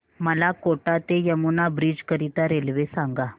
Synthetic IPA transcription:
məlakoʈat̪ejəmunabɾid͡ʑkəɾit̪aɾelʋesãŋɡa

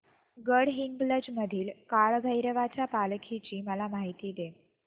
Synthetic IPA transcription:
ɡəɽɦiŋɡbləd͡ʑməd̪ʱiːlkaɭɡʱəjɾəʋat͡ɕjapalkʰit͡ɕiːməlamaɦit̪iːd̪e

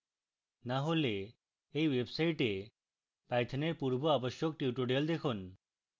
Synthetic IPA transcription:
naɦole | ejwebsajʈe | pajt̪ʰaneɾpuɾboaboʃjok̚ʈjiwʈoɖejold̪ekʰun

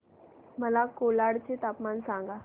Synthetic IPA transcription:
məlakolaɽt͡ɕet̪apmansãŋɡa

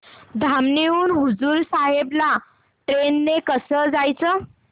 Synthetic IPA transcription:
d̪ʱamniuːnɦud͡zuːɾsaɦebla | ʈɾenːekəsəd͡zajt͡sə

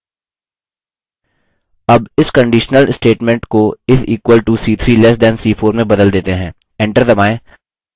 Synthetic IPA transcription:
ɐbɪskə̃ɳɖiːʃnəlsʈeːʈmɛ̃ɳʈkoɪsʰiːkwəlʈusiːt̪ʰɾiːlɛs̬d̪ɛ̃nsiːfʰoːɾmẽbɐd̪əld̪eːt̪eɦɛ̃ː | ɛ̃ɳʈəɾd̪ɐmaːẽ

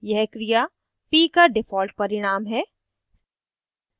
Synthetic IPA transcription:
jɛɦkɾija | piːkaɖɪfʰɔːlʈ̚pɐɾɪɽ̃aːmɦɛː

